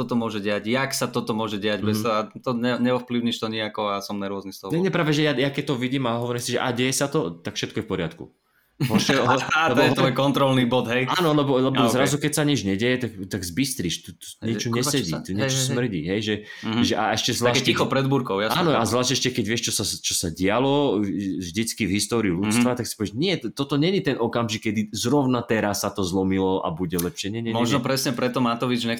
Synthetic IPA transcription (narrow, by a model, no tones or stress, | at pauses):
ɔt̪ɔmʊɔʒɛɟɛjaɟjaksat̪ɔt̪ɔmʊɔʒɛɟɛaɟbɛt̪ɔɦat̪ɔɲɛɲɛɔfpliʊɲiʃt̪ɔɲiakɔasɔmnaɾʊɔznist̪ɔnɛɲɛɛpɾaːʋɛʒɛjajakɛc̚t̪ɔʋiɟiːmaɦɔʋɔɾimsiʒɛ̰ʔa̰ɟɛjɛsat̪ɔt̪akfʃɛt̪̚kɔjɛfpɔɾɪat̪kṵ | ɔɛɦɔalɛb̪ɛt̪ɔjkɔnt̪ɾɔlnibɔd̪ɦɛjaːnɔlɛbɔlɛbɔzɾazukɛcsaɲɛd͡ʒɲɛɟɛjɛt̪akt̪aɡzbist̪ɾiʃt̪ut̪u̥ɲɪɛt͡ʃɔɲɛssɛɟit̪uɲɛssmr̩ɟiɦɛjʒɛ | ʒɛʔaɛʃcɛzʋlaːixɔpɾɛd̪buɾkɔʊjaaːnɔazʋlaːʃcɛʃcɛkɛɟʋɪɛʃt͡ʃɔsat͡ʃɔsaɟɪalɔʒd̪it͡skivɦist̪ɔːɾiulut͡sst̪ʋat̪aksi̥pɔʋɛʒɲɪɛt̪t̪ɔt̪ɔɲɛɲit̪ɛnʔɔkamʒikːɛd̪izɾɔʊnat̪ɛɾasːat̪ɔzlɔmilɔʔa̰buɟɛlɛpʃɪɛɲɛɲɛmɛɔʒnɔpɾɛsɲɛpɾɛt̪ɔmat̪ɔʋid͡ʒɲɛ